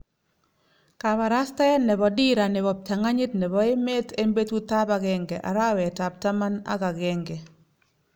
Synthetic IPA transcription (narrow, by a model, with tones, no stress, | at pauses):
ka˨βa˨ɾa˦sta˦ɛ˦nɛ˨βɔ˨di˦ɾa˨nɛ˨bɔ˨p̚t͡ʃa˨ŋa˦ɲɪ˦tnɛ˨βɔ˨e˦me˦te˦mbe˦tu˦t̪a˦ba˨ɡɛ˦ŋɡɛ˨ʔa̰˨ɾa˦wɛ˨ta˨p̚ta˦ma˦na̰˦ka˨ɡɛ˦ŋɡɛ˨